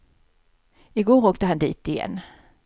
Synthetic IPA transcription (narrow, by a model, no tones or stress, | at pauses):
ɪɡoːɾoːk̚t̪əɦhand̪ḭːt̪ɪjɛ̰nː